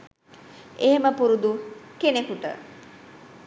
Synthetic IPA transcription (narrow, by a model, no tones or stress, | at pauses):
eɦeməpuɾud̪ukenekuʈə̰